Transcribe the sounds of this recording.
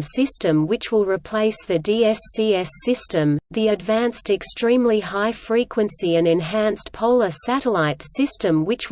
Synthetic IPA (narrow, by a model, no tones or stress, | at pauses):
sɪstɨ̃mwɨt͡ʃwɪlˠɹɨpʰl̥eɪsðɨdiɛsːiɛsɪstɨ̃mðiɨdvæ̃nstɨkstɹ̥ĩmlihaɪfɹikʰwɨ̃nsiɨ̃nɨ̃nɦæ̃nspʰoʊlˠəsæɾəlaɪtsɪstɨ̃mwɨt͡ʃ